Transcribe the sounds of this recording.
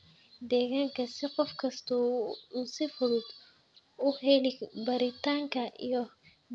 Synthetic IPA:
d̪ɛːɣaːŋkʰɐsɪqɔfkʰɐst̪ʰɔuːsɪfʊɽʊd̪ | ʊhɛlɪbɐɾɪt̪ʰaːŋkʰɐʔḭjɞ

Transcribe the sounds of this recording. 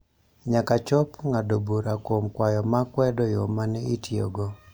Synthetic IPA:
ɲakat͡ʃɔpŋadobuɾakwomkwajɔmakwɛdɔjomanɛitjo̰ɡo

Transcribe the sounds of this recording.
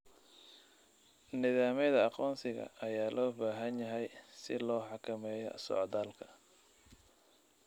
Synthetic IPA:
nɪðaːmɛðɐɑqɔːnsɪɣɐ̰ɐjaːlʔɔːbaːɦɐnjɐɦɛjsɪlɔːħɑkʰɐmɛːjɔ̰sɔ̰ːʕðaːlkʰɐ̥

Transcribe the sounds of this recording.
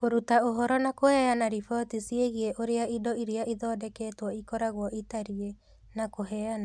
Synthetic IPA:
koɾutaoɦɔɾɔnakohɛanaɾifɔtisieɣieʔoɾeaidɔiɾeaʔiðɔːdɛkɛːtwɔikɔɾaɣwɔʔitaɾie | nakoɦɛːana

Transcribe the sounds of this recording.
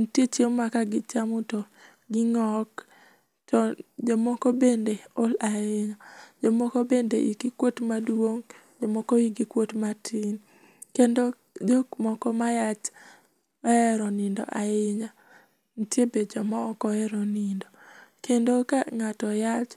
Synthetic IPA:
n̩tjet͡ʃemmakaɡɪt͡ʃamʊtɔ | ɡɪŋɔk | tɔd͡ʒomɔkɔbendeolaɪɲad͡ʒomɔkɔbendeʔiɡikwotmadwoŋ | d͡ʒomɔkɔiɡikwotmatʰin | kendo | d͡ʒomɔkɔmajat͡ʃ | ɛɾɔnɪndɔ̰ʔaɪɲa | ntjebed͡ʒɔmɔkɔɛɾɔnɪndɔkendokaŋatɔjat͡ʃ

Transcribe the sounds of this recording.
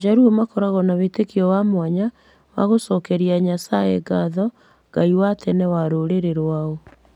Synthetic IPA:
d͡ʒaɾumakɔɾaɣɔnawetekiɔwamwaɲa | wa̰ɣosɔkɛɾiaɲasaeɡaðɔ | ɡ̥aiwatʰɛnɛwaɾoɾeɾeɾwaɔ

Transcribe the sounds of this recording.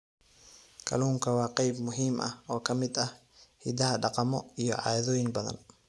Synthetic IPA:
kʰɐ̰luːŋkʰɐwɑːqɑjbmʊɦiːmʔɐhɔːkʰɐmɪd̪ɐh | hḭd̪ɐɦɐɖɑqɑmɔijɔ̰ʕɑ̰ːðɔːjɪŋbɐðɐ̰n

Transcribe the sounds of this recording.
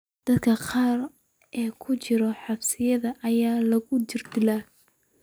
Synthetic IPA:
d̪̥ɐd̪kʰɐqɑːr | ʔɛːkʰʊt͡ʃɪɾɔħɑbsɪjɐðɐʔɐjaːlɐɣʊd͡ʒɪrd̪ɪla

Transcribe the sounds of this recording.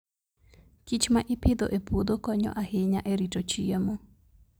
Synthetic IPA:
kit͡ʃmaʔɪpɪd̪ɔ̰ʔɛpod̪okɔɲɔ̰ʔahɪɲaʔɛɾitot͡ʃiemɔ

